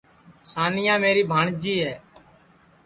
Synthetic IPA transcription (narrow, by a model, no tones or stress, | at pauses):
saːnɪjãːmeːɾiːbʱaːɳd͡ʒiːɦɛː